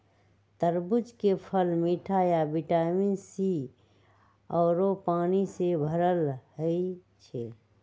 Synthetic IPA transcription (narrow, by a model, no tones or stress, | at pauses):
t̪əɾbʊd͡ʒkepʰəlmiːʈʰajabiʈaːminsi | ɔːɾopaːnisebʱəɾəlɦəi | t͡ʃʰɛ